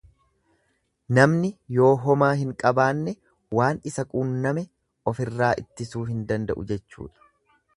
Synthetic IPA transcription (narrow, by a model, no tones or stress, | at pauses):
nɐmnɪjo̞ːɦɔmaːɦɪŋkʼɐbaːnːɛ | waːnɪsɐkʼuːnːɐmɛ | ʔɔfɪrːaːʔɪt̪ːɪsuːɦɪnd̪ɐnd̪ɐ̰ʔʊ̰d͡ʒɛt͡ʃːṵːᶑ̪ɐ̥